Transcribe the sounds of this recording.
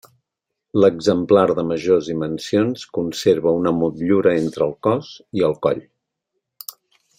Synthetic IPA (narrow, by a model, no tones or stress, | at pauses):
ləɡzəmplaɾðəməʒozðimənsionskunseɾβəunəmut̪ʎuɾəent̪ɾəːlˠkɔziəlˠkɔ̰ʎ